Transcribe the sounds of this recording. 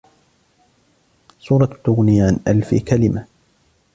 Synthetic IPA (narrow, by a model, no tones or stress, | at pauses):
sˤuːɾˤɑt̪ːʊɣnɪːʕanʔalfḭkalɪma